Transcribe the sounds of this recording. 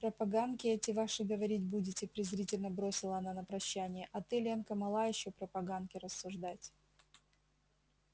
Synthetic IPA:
pɾəpɐɡand̪kʲɪɛtʲɪvaʂɨɡəvɐɾʲitʲbudʲɪtʲɪpɾʲɪzɾʲitʲɪlʲnəbɾosʲɪlˠəɐnanəpɾɐɕːænʲɪjəʔɐt̪ɨlʲenkəmɐlˠajɪɕːopɾəpɐɡand̪kʲɪɾəsːʊʐd̪atʲ

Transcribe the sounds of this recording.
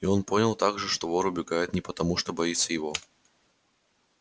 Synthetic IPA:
iɔnpɔnʲɐlˠt̪aɡʐɨʂt̪ɔvɔɾɨʊbʲɪɡajʊt̪nʲɛpɐt̪ɐmuʂt̪ɔbajit̪sːəjɪvɔ

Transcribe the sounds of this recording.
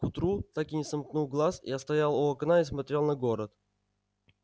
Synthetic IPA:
kʊt̪ɾut̪akɪnʲɪsɐmknulˠɡlˠasḭɐst̪ɐjalˠʊɐknaismɐt̪ʲɾʲelˠnɐɡoɾət̪

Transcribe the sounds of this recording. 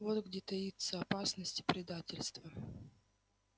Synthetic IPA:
vot̪ɡdʲet̪ɐit̪səɐpasnəsʲtʲɪ̥pɾʲɪd̪atʲɪlʲst̪və

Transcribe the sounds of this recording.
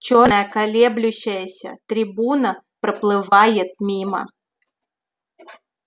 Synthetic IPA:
t͡ɕɔɐjɐkalʲɛblʲʊɕːɐjɐsʲɐ̰t̪ɾʲɪbunɐ | pɾɐplˠɨʋajɛt̪̚mʲimɐ̰

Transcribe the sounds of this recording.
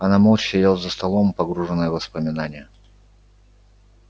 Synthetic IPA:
ɐnamolˠt͡ɕsʲɪjalˠzəst̪ɐlˠompɐɡɾuʐɨnːəjəvəspəmʲɪnanʲɪjə

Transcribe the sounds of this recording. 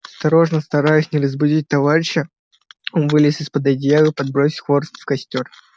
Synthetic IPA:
ɐst̪ɐɾo̞ʐnəst̪ɐɾajʊsʲnʲɪɾəzbʊdʲit̚ʲt̪ɐvaɾʲɪɕːɪ | onvɨlʲɪsʲɪspəd̪ɐd̪ʲjavɨpɐd̪bɾosʲɪ̥xvo̞rst̪fkɐsʲtʲo̞r

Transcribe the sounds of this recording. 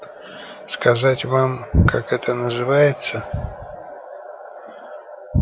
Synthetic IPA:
skɐzatʲvamkʰakɛt̪ənəzɨvajɪt̪sə

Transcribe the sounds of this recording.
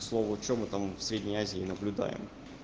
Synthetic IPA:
slˠovʊt͡ɕomɨt̪amfsɾʲedʲnʲəjazʲɪɪnəblʲʊd̪a̰jɪ̰m

